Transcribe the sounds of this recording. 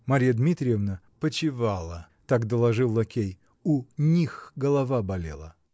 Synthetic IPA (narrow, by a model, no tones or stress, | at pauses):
mɐɾʲijəd̪mʲit̪ɾʲɪjəvnə | pət͡ɕɪvalˠə | t̪akd̪əlˠɐʐɨlˠːɐkʲej | unʲixɡəlˠɐvabɐlʲḛlˠə